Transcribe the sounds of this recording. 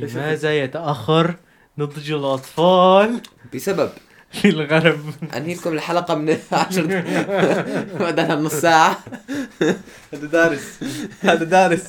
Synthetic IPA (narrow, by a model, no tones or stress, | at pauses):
lɪmaːzajat̪aʔaxːɑɾˤ | nɨd̪ˤd͡ʒlʔɑt̪ˤfɑːlb̥ɪsabab | filɣaɾɑbʔa̰nhilkʊmɪlħalaqɑmɪnʕaʃɾˤ | mad̪aːnhanɑsˤːaːʕa | had̪ad̪aːɾɪshad̪ad̪aːɾɪs